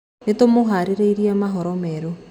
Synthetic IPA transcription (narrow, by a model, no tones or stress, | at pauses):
netomoɦaɾiɾeiɾiamaɦɔɾɔmɛːɾo